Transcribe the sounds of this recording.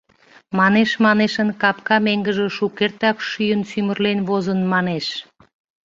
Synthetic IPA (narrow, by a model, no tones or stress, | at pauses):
mɑneʃmɑneʃənkɑpkɑmeŋɡəʒeʃukert̪ɑkʃyjənsymərlenβozənmɑneʃ